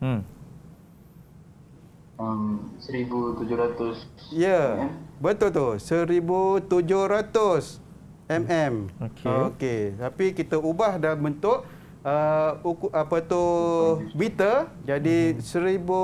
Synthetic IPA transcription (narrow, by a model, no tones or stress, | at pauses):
əmsəɾibut̪ud͡ʒʊɾat̪ʊsjəɛbət̪ʊlt̪ʊsəɾibut̪ud͡ʒʊhɾat̪ʊs | ɛmɛmokʰoket̪apikit̪əubahdambənt̪ʊʔ | əukʔapət̪ʊ | bit̪əd͡ʒadisəɾibu